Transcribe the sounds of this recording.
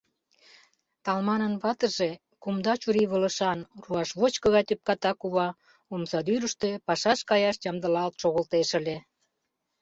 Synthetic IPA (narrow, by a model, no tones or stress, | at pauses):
t̪ɑlmɑnənβɑt̪ə̆ʒe | kumd̪ɑt͡ɕuɾiβə̆lə̆ʃɑnruɑʃβot͡ɕkɤ̆ɣɑt̪yp̚kɑt̪ɑkuβɑ | umsɑd̪yɾəʃt̪epɑʃɑʃkɑjɑʃjɑmd̪ə̆lɑlt̪ʃoɣə̆lt̪eʃə̆lʲe